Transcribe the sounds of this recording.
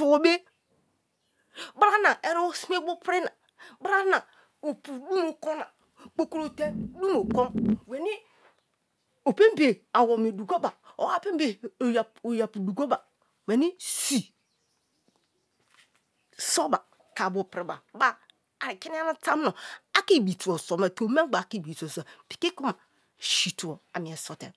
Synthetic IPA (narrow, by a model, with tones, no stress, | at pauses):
su˨o˨be˦ | ba˦ɾa˦na˨ʔe˨ɾo˦si˦me˦bo˦pɾi˦na˨ | bɾa˦na˨ | o˨pu˨du˦mo˨ko˦na˨ | k͡po˦ko˦ɾo˦˨te˦du˦mo˨ko˦nwe˨ni˦ | o˨pe˦m˦be˨a˨wo˨mi˨du˨ɡo˦ba˨o̰˨wa˦pe˦be˨j | o˨ja˨pu˨du˨ɡo˦ba˨ | wɛ˨ni˦si˨ | so˦ba˨ | ka˨bo˨pɾi˨ba˨ba˦ | a˨ki˦n˦a˦na˦ta˦m˦no˨a˦ki˦bi˨tu˨o˨sɔ˨mɛ˨to˨˦me˦ɡ͡ba˨ki˦˨bi˨to˨sa˨pi̥˨ke˦ko˦ma˨ | ʃi˨tu˨ɔ˨a˨mi˨ɛ˨sɔ˨tɛ̰˨